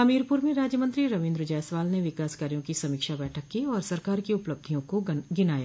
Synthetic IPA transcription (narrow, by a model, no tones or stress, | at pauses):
ɐmiːɾpuːɾmẽɾaːd͡ʒjəmə̃nt̪ɾiɾɐʋɪ̃nd̪ɾd͡ʒɛːsʋaːlneʋɪkaːskaːɾijõkisɐmɪːkʃabɛːʈʰəkːiɔːɾsɐɾkaːɾkiʊpləb̚d̪ʱijõkoɡɪnaːjaː